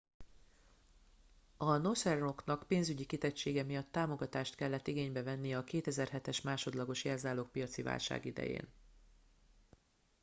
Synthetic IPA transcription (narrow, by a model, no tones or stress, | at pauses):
ɒno̞sɛro̞knɒkpeːnzyɟikit̪ɛct͡ʃːeːɡɛmijɒt̪ːaːmo̞ɡɒt̪aːʃt̪kɛlːɛt̪ːiɡeːɲbɛvɛnːijɛɒkeːt̪ɛzɛrɦɛt̪ɛʃmaːʃo̞d̪lɒɡo̞ʃjɛlzaːloːk̚pijɒt̪siva̰ːlʃa̰ːɡid̪ɛ̰jḛːn